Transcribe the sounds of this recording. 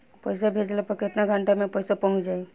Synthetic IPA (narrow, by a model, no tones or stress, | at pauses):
pəjsabʱed͡ʒlapəket̪naɡʱəɳʈamẽpəjsapɔd͡ʒaj